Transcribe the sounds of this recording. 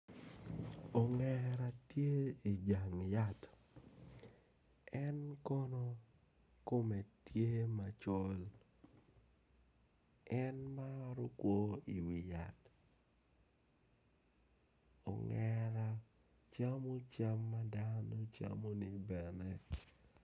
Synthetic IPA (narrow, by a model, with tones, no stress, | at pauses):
o˨ŋɛ˨ɾa˨tje˦i˨d͡ʒa˨ŋja˦t | ɛ˦nkɔ˦no˦ | ko˦me˨tje˦ma˨t͡ʃɔ˦l | ɛ˦nma˦ɾo˦kwo˦i˨wi˨ja˨t | o̰˨ŋɛ˨ɾa˨ | t͡ʃa˦mo˦t͡ʃa˦mːa˦da˦no˦t͡ʃa̰˦mo˦ni˦bɛ˨nɛ˦